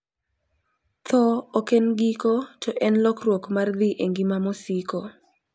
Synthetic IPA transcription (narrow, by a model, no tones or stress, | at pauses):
t̪ʰɔokenɡikot͡ʃɔʔɛnlɔkrwokmard̪iʔeŋɡimamɔsiko